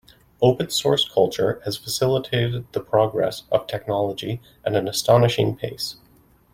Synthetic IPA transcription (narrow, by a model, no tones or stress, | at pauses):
oʊpɨ̃nsɔɹskʰʌlˠt͡ʃə˞ɨz̥fəsɪlˠətʰeɪɾɨd̪̚ðəpʰɹ̥ɑɡɹɛ̰sʌv̥tʰɛk̚nɑlˠəd͡ʒi | ʔɨ̃nɨ̃nəstɑnɨʃɪ̰̃ŋpʰeɪs